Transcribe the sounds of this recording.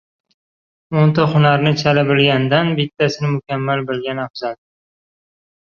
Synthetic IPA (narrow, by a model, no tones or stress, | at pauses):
ont̪aχʊnaɾnɪt͡ʃʰalɪbɪlɡʲand̪anbɪt̪ʰːasɪnɪmʊkʲamːalbɪlɡʲanafz̥al